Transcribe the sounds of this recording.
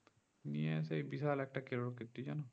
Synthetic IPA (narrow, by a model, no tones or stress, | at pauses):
nijɛsejbisalɛk̚ʈakeɹɔɹkit̪ːid͡ʒanɔ